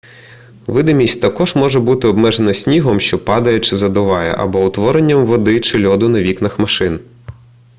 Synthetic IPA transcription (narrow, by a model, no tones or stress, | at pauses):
ʋɪd̪ɐmʲisʲtʲt̪ɐkɔʒmɔʒɛbut̪ɪɔbmɛʒenɐsʲnʲiɦɔmʃt͡ʃɔpɑd̪ɐjɛt͡ʃɪzɐd̪ʊʋɑjɛ̰ʔɐ̰bɔʊt̪ʋɔɾenʲːɐmʋɔd̪ɪt͡ʃɪlʲɔd̪ʊnɐʋʲiknɐxmɐʃɪn